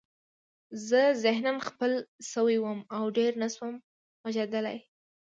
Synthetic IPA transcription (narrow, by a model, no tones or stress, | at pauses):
zəzɪhnamxpəlsəwiwəmawɖeɾnaswəm | waʒad̪əla̰j